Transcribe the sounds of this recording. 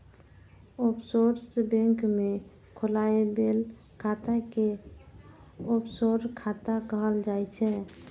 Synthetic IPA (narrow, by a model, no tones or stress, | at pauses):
opsoɾsbɛ̃ŋkme | kʰolaebel | kʰat̪ake | opsoɾkʰat̪akəɦəld͡ʒajt͡ʃʰɛ